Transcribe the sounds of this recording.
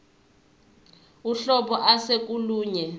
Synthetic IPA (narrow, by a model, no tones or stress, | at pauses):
uɬɔɓɔʔasek̬ʼuluːɲɛ